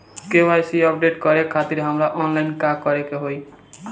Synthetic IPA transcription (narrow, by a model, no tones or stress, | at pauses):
kewajsiʌp̚ɖeʈkʌɾekʰat̪iɾɦʌmɾaʔɔnlajnkakʌɾekeɦoj